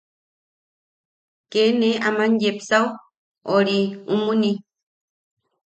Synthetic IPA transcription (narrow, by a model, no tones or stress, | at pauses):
keneamãnjepsaw | oɾiumuni